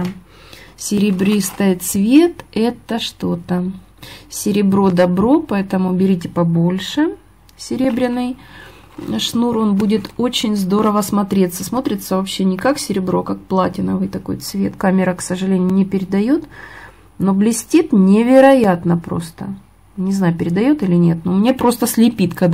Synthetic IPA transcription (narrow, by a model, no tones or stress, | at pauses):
sʲɪɾʲɪbɾʲist̪ɐjt̪svʲe̞t̪ɛt̪əʂt̪o̞t̪ə | sʲɪɾʲɪbɾo̞d̪ɐbɾo̞pɐɛt̪əmʊbʲɪɾʲit̬ʲɪpɐbo̞lʲʂɨ | sʲɪɾʲebɾʲɪnːɨj | ʂnuɾo̞nbudʲɪt̪o̞t͡ɕɪnʲzd̪o̞ɾəvəsmɐt̪ɾʲe̞t̪sːəsmo̞t̪ɾʲɪt̪səvɐpɕːenʲɪkaksʲɪɾʲɪbɾo̞kak̚plˠatʲɪnəvɨjt̪ɐko̞̰jt̪svʲe̞t̪kamʲɪɾəksəʐɨlʲenʲɪʊnʲɪpʲɪɾʲɪd̪ɐjot̪ | no̞blʲɪsʲtʲit̪nʲɪvʲɪɾɐjat̪nəpɾo̞̰st̪ə̰ | nʲɪznajʊpʲɪɾʲɪd̪ɐjo̞t̪ɨlʲɪnʲe̞t̪nomnʲepɾo̞st̪əsʲlʲɪpʲit̪kɐd̪